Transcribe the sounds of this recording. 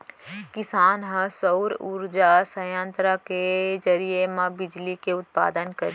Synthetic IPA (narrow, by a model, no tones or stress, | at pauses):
kɪsaːnɦə̃səʊɾṵɾd͡ʒasə̃jãnt̪ɾaked͡ʒɐɾiemãbɪd͡ʒlikeʊt̪̚pa̰ːd̪ənkɐɾ